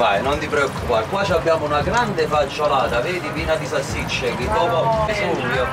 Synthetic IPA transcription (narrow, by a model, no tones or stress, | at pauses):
ajnont̪ipɾɛɔkːupakwaːt͡ʃabːjaːmounaɡɾand̪efat͡ʃːolaːt̪aveːd̪ipiːnad̪isasːit͡ʃːekɪd̪ɔːpaumpisuːɾjo